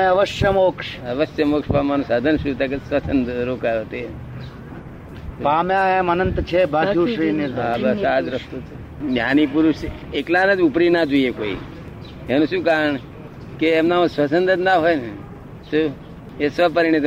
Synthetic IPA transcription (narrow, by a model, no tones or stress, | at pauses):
ẽɐʋəʃjəmoːkʃəʋəʃjəmoːkʂpamanũsad̪ʱənʃũt̪akesʋət͡ʃʰənd̪ɾokajot̪e | pamjãemənənt̪t͡ʃʰebʱad͡ʒuʃɾiːnelabʱat͡ʃaːd͡ʒɾəst̪ot̪ʰe | njaːnipuɾuʃ | eklanəd͡ʒupɾinad͡ʒuiekoːḭ | enũʃũkaɾəɳ | keːmnamsʋət͡ʃənd̪əd̪naɦojne | sũ | esʋəpəɾiɳit̪